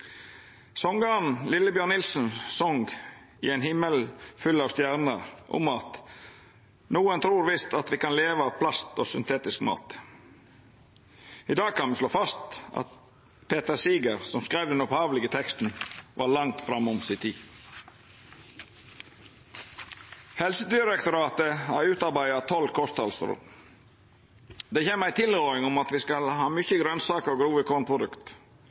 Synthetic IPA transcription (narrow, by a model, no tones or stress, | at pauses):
sɔŋɡəɑnlɪləbjøːɳɪlsn̩sɔŋɡ | ɪ̰ɛːnhɪməlfʏlɑːʋst̪jæʁnəɾʔʊ̰mɑt̪ | nuːənt̪ʰɾuːɾʋɪst̪ɑt̪ʋiːkɑnleːʋəɑːʋpʰlɑst̪oːsʏnt̪ʰeːt̪ɪskmɑ̰ːt̪ | ɪd̪ɑːɡ̚kʰɑnʋəsloːfɑst̪ɑ̰t̪̚ | pʰeːt̪əɾsiːɡəɾsɔmskɾæɪʋd̪ɛnɔphɑːʋlɪɡət̪ʰɛkst̪n̩ʋʔɑ̰ːlɑŋt̪fɾɑmʊmsɪt̪ʰiː | hɛlsəd̪ɪɾɛkt̪ʊɾɑːt̪əhæːɾʉːt̪ɑɾbæɪɑt̪ʰɔlkʰɔst̪ɑlst̪ɾɔ̰ | d̪eːçeːməæɪt̪ʰɪləɪŋɔmɑt̪ʋiːskɑlhɑːmʏçəɡɾœnsɑːkəɾɔɡɾuːʋəkʰoːnpʰɾʊd̪ʉkt̪